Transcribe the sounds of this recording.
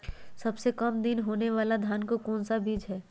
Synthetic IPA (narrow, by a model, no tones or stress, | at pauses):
sɐbsekɐmd̪ɪnɦoːneʋaːlad̪ʱjaːnkokɔːnsabiːd͡ʒɦɛː